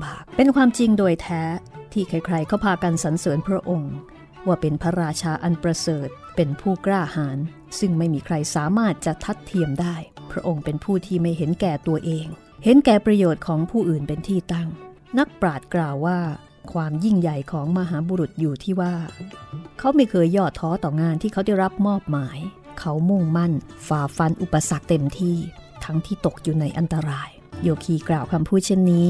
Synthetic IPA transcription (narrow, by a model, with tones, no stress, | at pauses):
baː˨˩k̚pe˧nkʰwaː˧mt͡ɕi˧ŋdoː˧jt̪ʰɛː˦˥t̪ʰiː˥˩kʰa˧˩jkʰɾa˧jkʰa˦˥wpʰaː˧ka˧nsa˩˦nsɤː˩˦npʰɾa˦˥ʔo˧ŋ | waː˥˩pe˧npʰa˧ɾaː˧t͡ɕʰaː˧ʔa˧npɾa˧sɤː˨˩t̪̚pe˧npʰuː˥˩kɾaː˥˩haː˩˦n | sɯ˥˩ŋma˥˩jmiː˧kʰɾa˧jsaː˩˦maː˥˩t̪̚t͡ɕa˨˩t̪ʰa˦˥t̪ʰːi˧əmdaː˥˩jpʰɾa˦˥ʔo˧ŋpe˧npʰuː˥˩t̪ʰiː˥˩ma˥˩jɦe˩˦nkɛː˨˩t̪u˧ɐʔeː˧ŋ | he˨˦nkɛː˨˩pɾa˧joː˨˩t̪̚kʰɔː˩˦ŋpʰuː˥˩ʔɯː˨˩npe˧nt̪ʰiː˥˩t̪a˥˩ŋ | na˦˥k̚pɾaː˨˩t̪̚klaː˨˩wːaː˥˩ | kʰwaː˧mji˥˩ŋja˨˩jkʰɔː˩˦ŋma˧ɦaː˩˦buː˧ɾu˨˩t̪̚juː˨˩t̪ʰiː˥˩waː˥˩ | kʰa˦˥wma˥˩jkʰɤː˧jːɔː˥˩t̪ʰːɔː˦˥t̪ɔː˨˩ŋaː˧nt̪ʰiː˥˩kʰa˦˥wda˥˩jɾa˦˥p̚mɔː˥˩p̚maː˩˦j | kʰa˦˥wmu˥˩ŋma˥˩nfaː˨˩fa˧nʔu˨˩pːa˧sa˨˩k̚t̪e˧mt̪ʰiː˥˩t̪ʰa˦˥ŋt̪ʰiː˥˩t̪o˨˩k̚juː˨˩na˧jʔa˧nt̪a˧ɾaː˧j | joː˧˩kʰiː˧˩klaː˨˩wkʰa˧mpʰuː˥˩t̪̚t͡ɕʰe˥˩nːiː˦˥